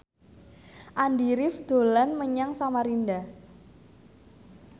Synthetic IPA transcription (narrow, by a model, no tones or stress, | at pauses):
ʔandiɾɪfd̪̥o̤lanməɲaŋsamaɾinda